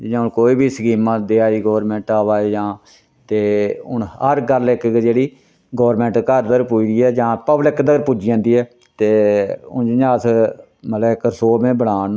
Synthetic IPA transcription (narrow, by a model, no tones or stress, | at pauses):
d͡ʒɪjãːʊnkoːiːbʱiːsəkiːmːãːd̪eːaːiːɡoːɾmɛ̃ːɳʈaːʋaːeːd͡ʒãː | t̪eːʊnhəɾɡəlɪkd͡ʒeːɽiː | ɡoːəɾmɛ̃ːɳʈkəɾd̪əɾpuiːd̪iːɛːd͡ʒãːpəblɪkd̪əɾpud͡ʒɪjãːnd̪iːɛː | t̪eːʊ̰nd͡ʒɪjãːəs | mət̪lɛɪkəsoːmẽːbəɽaːn